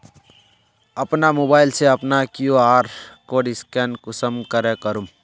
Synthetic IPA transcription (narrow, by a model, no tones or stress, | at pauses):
ɐpnamoːbaːɪlseɐpnakjuaːɾkoːɖɪskɛːnkʊsəmkəɾekəɾum